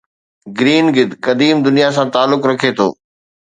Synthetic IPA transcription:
ɡɪɾiːnɡɪd̪kɐd̪iːmd̪ʊnijas̬ãt̪aːlːʊkɾɐkʰet̪ʰo̰ː

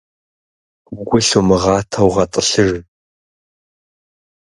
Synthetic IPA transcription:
ɡʷʊɬumɨʁɑːtʰɐwʁɐtʼəɬɨr

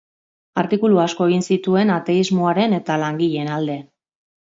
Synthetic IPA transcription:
aɾt̪ikuluasko̞e̞ɣ̞insit̪ue̞nat̪e̞izmo̞aɾe̞ne̞t̪alaŋɡiʎenald̪e̞

